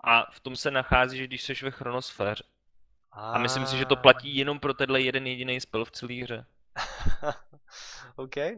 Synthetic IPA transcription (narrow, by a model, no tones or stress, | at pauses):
ʔaft̪o̞msɛnaxaːziːʒɡdɪʃsɛʃvɛxɾo̞no̞sfɛːr̝ɛ | ʔamɪslɪmsɪʒɛt̪o̞placiːjɛno̞mpɾo̞t̪ɛdlɛjɛdɛnjɛɟɪnejspɪlft͡sɛliːɦr̝ɛ | owkɛj